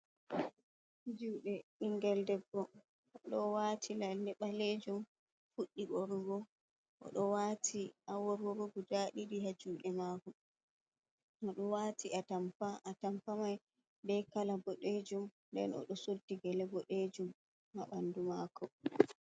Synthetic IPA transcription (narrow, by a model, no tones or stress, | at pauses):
d͡ʒuːɗɛiŋɡɛldɛbːɔ | ɗɔwatʰilalɛɓaled͡ʒum | fuɗːiɡɔɾɡɔ | ʔɔ̰ɗɔwatʰiʔawɔɾwɔɾoɡudaːɗiɾihad͡ʒuːɗɛmaːkɔ | ɔɗɔwatʰiʔatampaʔːtampamaj | bɛkalabɔɗed͡ʒumndɛ̰nɔ̰ɗɔsodːiɡɛlɛbɔɗed͡ʒumː | aɓandumakɔ